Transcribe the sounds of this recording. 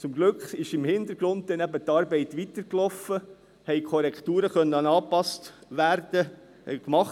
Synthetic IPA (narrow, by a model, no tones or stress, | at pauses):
t͡sʊmɡlʏkχɪʃɪmhɪnd̪əɾɡ̥ɾʊnt̚d̪ɛnæbət̪ːɑːɾbɛɪt̪ʋitəɾklɔfːə | hɛɪkʰɔɾɛkχt̪uːɾəχœnːəɑnɑːpɑstʋæɾd̥ə | kmɑχ